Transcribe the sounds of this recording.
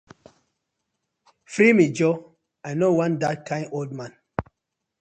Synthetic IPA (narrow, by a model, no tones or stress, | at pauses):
fɾimid͡ʒɔ | ajnowãndat̚kʰãɪ̃nʔoldmãn